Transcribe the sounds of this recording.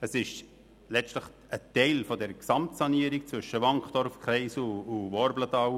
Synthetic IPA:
əsɪʃ | lɛʃtləχ | ətɛɪlfɔdɛɾəksɑmtsɑniəɾik̚t͡sʋʏʃəʋɑŋχd̥ɔɾfkχɾɛɪsʊʋɔɾblətɑw

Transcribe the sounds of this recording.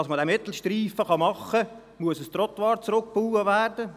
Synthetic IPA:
ɑsmədɛmɪt̪l̩ˠʃtriːfəχɑmɑχːə | muəsəst̪rɔt̪ʋɑːɾt͡sɾʊk̚puːəʋæːrd̥ə

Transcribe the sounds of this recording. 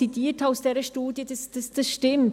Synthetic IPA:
idiːtaʊsd̥eːɾəʃtuːdjəd̥asd̥asd̥ɑsʃtɪmt

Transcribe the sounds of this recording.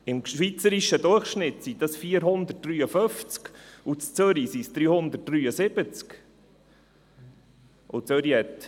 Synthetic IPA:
ɪmʃʋit͡səɾiʃəd̪ʊrχʃnɪtsid̪ɑsfiːəɾɦʊnd̪ət̚d̥ryːəføft͡skut͡st͡søɾisisd̥̪ɾyːhʊnd̪ət̚d̥ryːəsɪb̥ət͡sk | ʔot͡søɾjɛt̪

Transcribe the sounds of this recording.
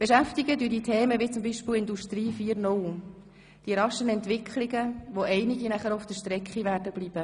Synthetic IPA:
b̥eʃæftɪɡədyːdiːtʰɛːməʋit͡sʊmbiːʃpɪlɪnduʃtriːfiːɾnʊl | d̥iːɾɑʃənɛntvɪkʰχlɪɡəʋoʔɛɪnɪɡinæχəɾofd̥əʃtɾɛkχiʋæːɾdəb̥liːb̥ə

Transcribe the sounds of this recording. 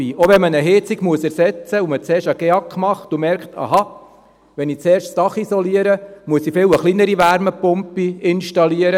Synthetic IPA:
ioʋɛnmənəɦɪt͡siɡ̥muəsæɾsɛt͡səumət͡seːɾʃɑɡ̥eɑkːmɑχt̪umɛɾkχt̪ɑ̰ɦɑ | ʋɛnit͡sɛːɾʃstɑχisɔliəɾəmuəsifɪləχlinəɾiʋæɾməpʊmpiɪnʃtɑliəɾə

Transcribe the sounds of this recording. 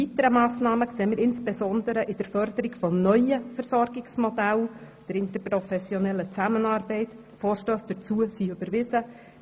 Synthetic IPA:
vit̪əɾəmɑːsnɑːməkseːmɪɾɪnsb̥ɛzɔnd̪əɾəʔɪd̥əɾfœɾd̪əɾɪɡfɔnœʏəfəɾsɔɾɡɪksmɔdæl | d̥əɾɪnt̪əɾpɾɔfɛsjɔnɛlːət͡sæmənɑːɾbɛɪt | fɔːɾʃtøːsd̥ət͡suəsiʏbəɾʋɪzə

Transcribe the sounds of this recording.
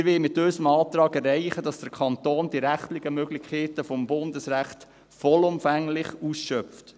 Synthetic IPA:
ɾʋɪlmɪtøsəmɑːt̪ɾɑːɡɛrɛɪχədɑsd̥əɾkʰɑnt̪oːnd̥iɾæχtlɪɡəmøɡlɪχkʰɛːtəfɔmbʊndəsɾæχt̪ | fɔlʊmfæŋlɪχuːsʃœpft

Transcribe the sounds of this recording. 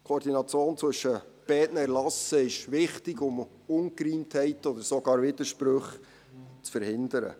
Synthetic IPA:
kʰoɾdinɑt͡sjoːnt͡sʋʏʃəb̥ɛːtnəɛɾlɑsəɪʃʋɪχtɪɡʊm | ʊnkɾiːnthɛɪtɔd̪əɾsɔɡ̥ɑːɾvɪd̪əɾʃpɾɵχ | t͡sfəɾhɪnd̪əɾə̰

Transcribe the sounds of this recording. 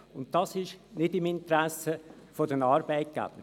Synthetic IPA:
ʊnttɑsɪʃnɪdɪmɪnt̪ɾæsə | fodənɑːɾb̥ɛɪt̚ɡ̥a̰b̥ə

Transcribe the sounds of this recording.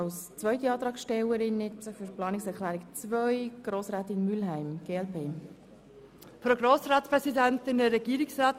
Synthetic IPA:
ɑʊst͡svœʏtiɑːt̪ɾɑːkʃtɛwəɾɪnːɪsəfyɾplɑːnɪksɛklæːɾɪkt͡svœʏɡ̥ɾoːsɾæːtɪnmylɦæɪmɡ̥eːɛlpʰeː | pɾoɡɾoːsɾɑːtpɾɛsidɛntɪnəɾɛɡiːɾɪksʁɑːt

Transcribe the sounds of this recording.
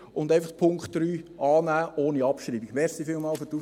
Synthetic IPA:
ʊndaɪfɑχpʰʊŋkχtɾyːɑːnæːʔoːniɑpʃɾiːbiɡ̥ʋɛːɾsifɪlmɑːlføtu

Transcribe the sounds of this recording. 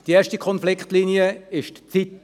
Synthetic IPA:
d̥ieːɐʃtikʰɔnflɪkχtliːniəɪʃtt͡sit

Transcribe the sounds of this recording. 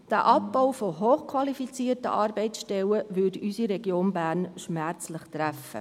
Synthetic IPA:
d̥æːʔɑp̚ːɔʊfoɦoːχkʰwɑlifit͡siːərtə̰ʔɑːɾbɛɪt͡sʃtɛləvʏdysiɾɛɡjoːnbæːɾnʃmæɾt͡slɪχtɾæfə̰

